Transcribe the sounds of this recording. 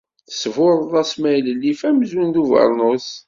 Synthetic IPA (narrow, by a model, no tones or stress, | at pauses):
θə̥svʊɾˤðˤɑsmæjləlːifæmzwund̪uvə̰ɾˤnos